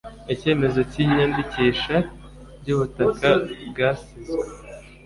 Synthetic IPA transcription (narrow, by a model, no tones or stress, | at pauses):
ece̞ːme̞zo̞ciɲanbiciːʃa | ɟuːβutakabɡaːsizɡwe